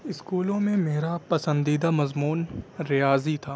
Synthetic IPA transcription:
ɪskuːlõmẽmeːɾapɐsə̃nd̪iːd̪amɐzmuːnɾɪjaːzit̪ʰaː

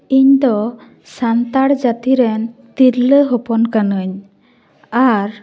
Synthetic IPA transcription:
iɲd̪ɔ | sant̪aɽd͡ʒat̪iɾɛnt̪iɾləɦɔpɔnkanəɲ | aɾ

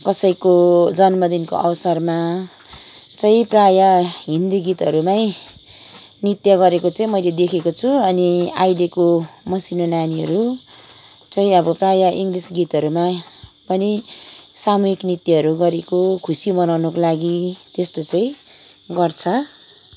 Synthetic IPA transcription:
kʌsʌjkod͡zʌnmʌd̪inko̰ʔʌwsʌrma | t͡saĩprajaɦind̪uɡit̪ɦʌɾumai | nit̪jʌɡʌɾekot͡saĩmʌjled̪ekʰekot͡sʰuʌniajlekomʌsinonjaniɦʌ̰ɾu | t͡saĩʌbʌprajʌʔiŋɡlisɡit̪ɦʌɾumapʌnisamuɦiknit̪iɦʌɾuɡʌɾekokʰusimʌnawnokolaɡit̪est̪ot͡saĩɡʌrt͡sʰʌ

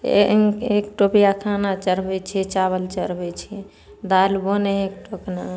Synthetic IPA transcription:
ḛekʈopijakʰanat͡ʃəɾbɛt͡ʃʰiɛt͡ʃaβəlt͡ʃəɾbɛt͡ʃʰiɛ | d̪alboneek̚ʈokna

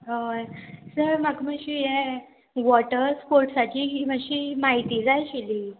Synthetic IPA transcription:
ɦəsəɾməɡməɕiːɦɛ | ʋɔʈəɾspoɾʈsaʈʰiːməɕiːmaɦit̪iːd͡zajɕiliː

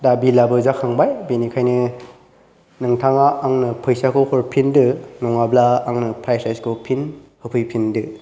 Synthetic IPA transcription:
dabilabɯzakʰaŋbajbenikʰajnɯ | nɯŋtʰaŋaʔːŋnɯpʰɯjsakʰokʰɔɾpʰindɯnɔŋablaːŋnɯpʰɾajsajskʰopʰinhɯpʰɯjpʰindɯ

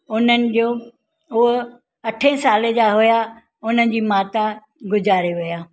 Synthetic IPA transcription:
ʊnənɪ̆d͡ʑoː | ʊɦ | ɐʈʰẽːsaːled͡ʑaɦʊja | ʊn̤ənɪ̆d͡ʑiːmaːt̪a | ɡʊd͡ʑaːɾeʋɪjaː

